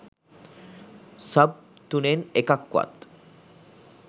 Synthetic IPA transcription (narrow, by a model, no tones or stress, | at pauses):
sab̚t̪unenekakːwa̰t̪